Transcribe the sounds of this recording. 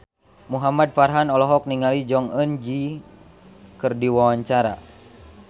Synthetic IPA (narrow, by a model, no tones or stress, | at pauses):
muɦamad̚farɦanɔlɔɦɔk̚niŋalid͡ʒɔŋənd͡ʒi | kɨrdiwawaɲt͡ʃaɾa̰